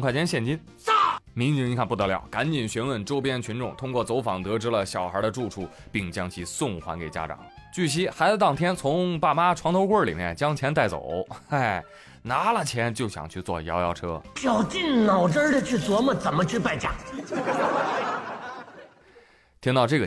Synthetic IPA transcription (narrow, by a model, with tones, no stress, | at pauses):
ŋkʰwa˥˩t͡ɕʰjɛ˥nɕjɛ˥˩nt͡ɕi˥n˥˩ | mi˧˥ŋt͡ɕi˧˥ŋ˧˥kʰa˥˧npu˩ɤ˧˥ljɑ̰˥˩ʊka˧˥nt͡ɕi˨˩nɕɥɛ˧˥nwə˥˩nʈ͡ʂo˥ʊpjɛ˥nt͡ɕʰy˧˥nʈ͡ʂʊ˥˩ŋt̪ʰʊ˥ŋkwɔ˥˩t͡so˧˥ʊfɑ˨˩ŋt̪ɤ˧˥ʈ͡ʂɻ̩˥lə˨ɕjɑ˨˩ʊxə˞˧˥d̪ə˧ʈ͡ʂu˥˧ʈ͡ʂʰu˥˧pi˥˩ŋt͡ɕjɑ˥ŋt͡ɕʰi˧˥sʊ˥˩ŋxwa̰˧˥nke˨˩ɪt͡ɕja̰˥ʈ͡ʂɑ̰˨˩˦ŋt͡ɕy˥˩ɕ̬i˥xa˧˥ɪt͡sa˧˥t̪ɑ˥˩ŋt̪ʰjɛ˥nt͡sʰʊ˧˥ŋpa˥˩ma˥ʈ͡ʂʰwɑ˧˥ŋt̪ʰo˧˥ʊkwə˥˩lḭ˨˩mjɛ̰˥˧nt͡ɕjɑ˥ŋt͡ɕʰjɛ˧˥nt̪̬a˥˩ɪt͡so̰˨˩˦ʊa˥˩ɪ | na˧˥lə˨t͡ɕʰjɛ˧˥nt͡ɕjo˥˩ʊɕjɑ̰˨˩ŋt͡ɕʰy˥˧t͡swɔ̰˥˩jɑ˧˥ʊjɑ˧˥˩ʊʈ͡ʂʰɤ˥t͡ɕjɑ˨˩ʊt͡ɕi˥˩nnɑ˨˩ʊʈ͡ʂə˥d̪ə˨t͡ɕʰy˥˩t͡swɔ˧˥mə˨t͡sə˨˩nmə˦t͡ɕʰy˥˧pa˥˧ɪt͡ɕja̰˥˩ | t̪ʰi˥ŋt̪ɑ˥˧ʊʈ͡ʂɤ˥˩ɡə˩